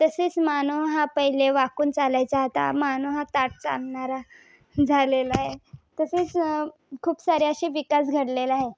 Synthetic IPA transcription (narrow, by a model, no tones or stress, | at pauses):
t̪əset͡smanoɦapəɦileʋakuːnt͡salajt͡saɦt̪a̰manuɦat̪aʈ̚t͡sa̰lɳaɾa | d͡zʱalelaɦet̪əseːt͡s | kʰuːpsaɾjaəɕiʋikas̬ɡʱəɽlelaɦe